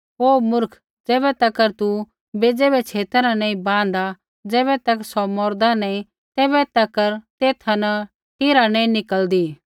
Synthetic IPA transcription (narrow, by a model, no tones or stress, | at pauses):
ɦoːmʊɾkʰ | d͡zɛːβɛt̪ɐkːəɾt̪u | beːd͡ʒebɛt͡ʃʰeːt̪əɾãnɛ̃ːĩbãːnd̪a | d͡zɛːβɛt̪ɐksɔmɔːɾd̪anɛ̃ĩ | t̪ɛːbɛt̪ɐkːəɾt̪eːt̪ʰanɐ | ʈɪɾanɛ̃ːĩnɪkəld̪iː